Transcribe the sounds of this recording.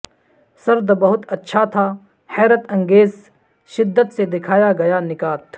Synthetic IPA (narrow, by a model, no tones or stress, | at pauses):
sɐɾd̪bɐɦʊt̪ɐtːʃʰat̪ʰaː | hɛːɾət̪ɐ̃ŋɡeːz | ʃɪd̪ːət̪sed̪ɪkʰaːjaɡɐjanɪkaːt̪